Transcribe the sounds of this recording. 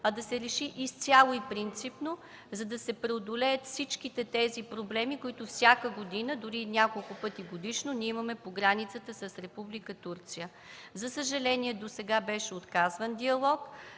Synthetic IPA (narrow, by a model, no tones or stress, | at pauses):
ɐd̪ɐsɛɾɛʃiʔist̪sʲalˠoipɾint̪sipno | zɐd̪ɐsɛpɾɛod̪olɛjət̪fsit͡ʃkit̪ɛt̪ɛzipɾoblɛmikoʊit̪ʊfsʲakəɡod̪inəd̪ʊɾinʲakolˠkʊpɤt̪iɡod̪iʃnonʲiɛimɐmɛpoɡɾanit̪sət̪əsəsɾɛpublikət̪uɾt̪sijə | zɐsəʒɐlɛniɛd̪osɛɡabɛʃɛot̪kazvənd̪iɐlˠɔk